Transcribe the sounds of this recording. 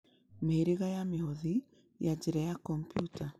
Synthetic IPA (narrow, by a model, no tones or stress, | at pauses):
meeɾiɣajamehoði | jad͡ʒiɾajakɔmpjuta